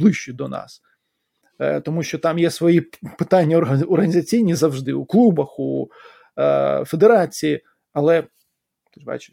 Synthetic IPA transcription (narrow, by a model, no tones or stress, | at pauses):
blˠɪʃʊd̪ɔnɑ̰s | t̪ɔmuʃt͡ʃɔt̪ɑmjɛsʋɔjipɪt̪ɑnʲːɐɔrɐɔrɣɐnʲɪzɐt͡sʲijnʲizɐwʐd̪ɪuklˠubɐxu | fed̪eɾɑt͡sʲiji | ɐlˠɛ | bɑ̰t͡ʃɪ̥